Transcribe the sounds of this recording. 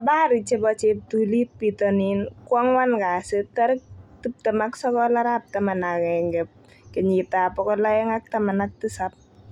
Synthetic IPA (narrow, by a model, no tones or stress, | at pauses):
baɾit͡ʃebɔt͡ʃep̚t̪ulit̚pit̪ɔninkwɔŋwankasət̪aɾkt̪up̚t̪əmaksɔkɔlaɾap̚t̪amanakɛŋɡɛp̚ | kəɲit̪apɔkɔlajɛŋak̚t̪amanak̚t̪ɨsap̚